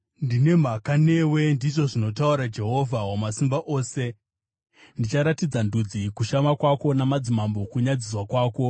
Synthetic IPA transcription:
ndine̞m̤akane̞ːwe̞ndiʐo̞ʐino̞tauɾad͡ʒe̞ɦo̞vʱawomasimbaʔo̞ːse̞ | ndit͡ʃaɾatid͡zandud͡zikuʃamakwako̞namad͡zimambo̞kuɲad͡zis̬wakwaːko̞

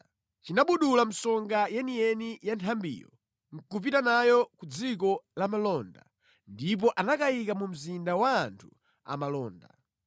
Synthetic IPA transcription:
t͡ʃinaɓuɗulam̩sɔŋɡajɛniɛnijantʰambḭːjɔ̰ | ŋ̩kup̬itanajɔkud͡zik̬ɔlamalɔnda̰ | ndip̬ɔʔanakaikamum̩zindawaːntʰu̥ | a̰malɔːnda̰

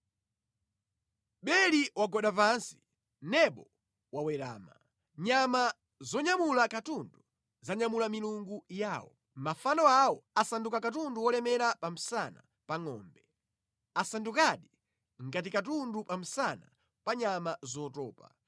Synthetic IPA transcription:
ɓɛliwaɡɔɗap̬ansi̥ | nɛɓɔ | wawɛɾa̰ːma̰ | ɲama | zɔɲamulakatundu | zaɲamulamiluŋɡujaːwɔ̰ | mafanɔawɔasandukakatunduwɔlɛmɛɾapam̩sana̰ | paŋɔ̰ːmbɛ | asandukaɗi | ŋɡat̬ikatundupam̩sana | paɲamazɔːtɔːpa̰

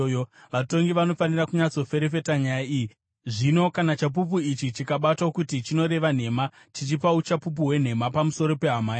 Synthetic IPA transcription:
ʋato̞ŋɡiʋano̞fanirakuɲat͡so̞fe̞ɾefe̞taɲajaiji | ʐino̞kanat͡ʃap̬up̬uit͡ʃit͡ʃikaɓatwakutit͡ʃino̞ɾe̞ʋan̤e̞ma | tit͡ʃipaut͡ʃapup̬uwe̞n̤e̞mapamuso̞ɾo̞pe̞ɦamaːja

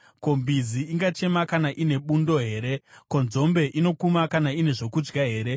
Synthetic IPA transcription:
ko̞mbiziiŋɡat͡ʃe̞makanaʔine̞ɓundo̞ɦe̞ːɾe̞ko̞nzo̞mbe̞ʔino̞kumakanaine̞ʐo̞kud͡ʒɡaɦe̞ːɾe̞

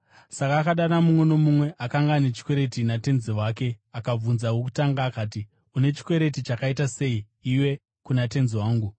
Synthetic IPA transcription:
sakaːkaɗanamumwe̞no̞mumwe̞ʔakaŋɡaːnet͡ʃi̥kwe̞ɾe̞tinate̞nziwaːke̞akab͡vunzawok̬u̥taŋɡaːkaːti | une̞t͡ʃi̥kwe̞ɾe̞tit͡ʃakaitase̞i | iwe̞ | kunate̞nziwaːŋɡu

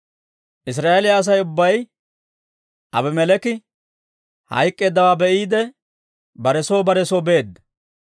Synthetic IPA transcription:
ʔɪs̬ɾaːʔelɪjaːs̬ɐjʊbːɐj | ʔɐ̰bɪmɛlɛkɪ | hɐ̰jkʼːe̞ːd̪ːɐwaːbɛʔiːd̪ɛ | bɐɾɛsoːbɐɾɛsoːbe̞ːd̪ːɐ

